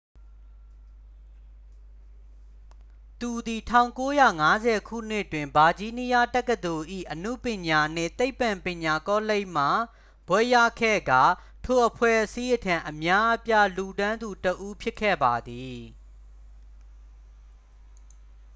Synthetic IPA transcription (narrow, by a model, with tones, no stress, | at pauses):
t̪u˨d̪i˨tʰã˦˨ʊ̃ŋko˦ja˦˨ŋa˦zɛ˨kʰṵ˦˨n̥ɪ˦twɪ̃˨mba˨d͡ʑi˦ni˦ja˦tɛ˦kːə˨d̪o˨ʔḭ˦˨ʔənṵ˦˨pjɪ̃˨ɲa˨n̥ɪ̰̃˦˨t̪e˦ɪpːã˨mpjɪ̃˨ɲa˨kɔ˦le˦ɪʔm̥a˨ | b̥wɛ˦˨ja˦˨kʰɛ̰˦˨ɡa˨ | tʰo˨ʔəpʰwɛ˦˨ʔəsi˦ʔətʰã˨ʔəmja˦ʔpja˦lu˨dã˦nd̪u˨təʔu˦pʰjɪ˦kʰːɛ̰˦˨ba˨d̪i˨